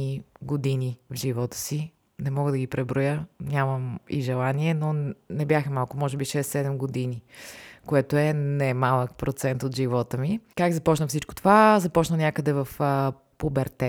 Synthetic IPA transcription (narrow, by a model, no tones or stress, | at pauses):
iɡod̪inivʒivɔt̪ə̥si | nɛmɔɡəd̪ɐɡipɾɛbɾojənʲaməmḭʒɛlˠaniɛnonɛbjaxəmalˠkʊmɔʒɛbiʃɛst̪sɛd̪ɛmɡod̪inikoɛt̪oɛnɛmalˠək̚pɾot̪sɛnt̪ot̪ʒivɔt̪əmikaɡzɐpɔt͡ʃnəfsit͡ʃko̥t̪ovazɐpɔt͡ʃnənʲakəd̪ɛvəf | pubɛɾt̪ɛ